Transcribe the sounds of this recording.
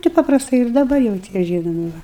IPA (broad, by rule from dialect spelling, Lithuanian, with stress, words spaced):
tɐɪ pɐprɐsˈtɐɪ ɪr dɐˈbɐr jɛʊ ˈtʲiɛ ˈʒʲiːnoːmʲɪ ˈʋɐ